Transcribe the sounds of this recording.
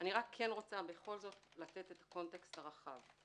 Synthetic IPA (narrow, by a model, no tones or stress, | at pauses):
ʔaniʁakʰːe̞nʁo̞t͡sabeχo̞lzo̞tlate̞t̪et̪ḁko̞nte̞kstaʁaχav